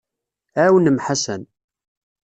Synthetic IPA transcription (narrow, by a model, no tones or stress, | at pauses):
æwənəmħasæ̰n